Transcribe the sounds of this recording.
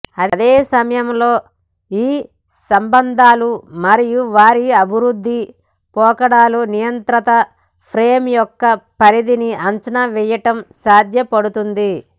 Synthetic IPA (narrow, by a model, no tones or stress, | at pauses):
ɐd̪eːsɐmɐjɐmloː | iː | sɐmbɐnd̪ʱaːlumɐɾijuʋaːɾiɐbʱiɾud̪ʱːi | pɔːkɐɽaːlunijɐnt̪ɾɐt̪ɐ | pʰɾeːmjɔkːɐpɐɾid̪iniɐnt͡ʃɐnɐʋɛːjɐʈɐmsaːd̪jɐpɐɽut̪und̪i